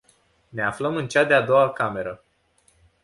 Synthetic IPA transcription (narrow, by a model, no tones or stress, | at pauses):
ne̞afləmɨnt͡ʃad̪ead̪o̞wakame̞ɾə